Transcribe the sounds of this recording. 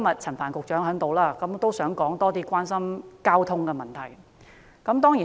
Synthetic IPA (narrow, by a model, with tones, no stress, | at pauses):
mɐ˨t̚t͡sʰɐ˨˩nfaː˨˩nkʊ˨k̚t͡ʃœː˨˥ŋɦœ˨˥ŋt̪o˨wlaː˥kɐ˨˥mt̪o˥wsœː˨˥ŋkɔː˨˥ŋt̪ɔː˥t̪iː˥kʷaː˥nsɐ˥mkaː˥wt̪ʰʊ˥ŋkɛː˧mɐ˨˩nt̪ʰɐ˨˩j | kɐ˨˥mt̪ɔː˥ŋjiː˨˩